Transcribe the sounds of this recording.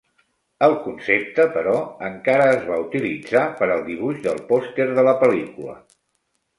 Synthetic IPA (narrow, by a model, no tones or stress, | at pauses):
əlˠkunsep̚t̪əpəɾɔəŋkaɾəːzβaut̪ilid͡zapəɾəlˠd̪iβuʒðəlˠpɔst̪eɾðələpəlikulə̰